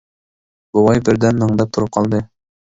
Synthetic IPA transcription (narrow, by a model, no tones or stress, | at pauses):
bŏlˠɑjbɘ̆ɾd̪ænmɤ̆ɴd̪ɑp̚t̪ŏɾɤp̚qɑlˠd̪ɤ